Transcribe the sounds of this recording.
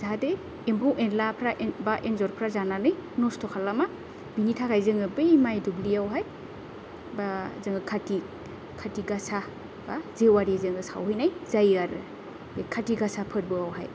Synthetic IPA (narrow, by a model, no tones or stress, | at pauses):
zade | empʰɯwʔenlapʰɾabaʔenzɔɾpʰɾazananɯjnɔstʰɔkʰalama | binitʰakajzɯŋɯbɯjmajdubliawɦaj | bazɯŋɯkʰati | kʰatiɡasa | bazewaɾizɯŋɡɯsa̰whɯjnajzajaɾɯ | ekʰatiɡasapʰɯɾbɯawɦa̰j